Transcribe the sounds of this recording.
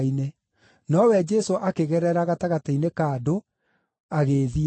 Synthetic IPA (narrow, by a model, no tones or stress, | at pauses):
ine | nɔwɛd͡ʒɛsoʔakeɣɛɾɛɾaɣataɣateinekado | aɣeːði